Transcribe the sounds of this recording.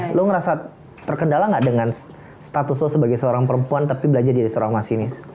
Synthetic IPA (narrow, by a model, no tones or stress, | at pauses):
lʊŋəɾasa | t̪ərkəndalaŋɡaʔdəŋans | st̪at̪ʊslʊsəbaɡajsəoɾaŋpəɾəmpuant̪apibəlad͡ʒard͡ʒadisoɾaŋmasinɪs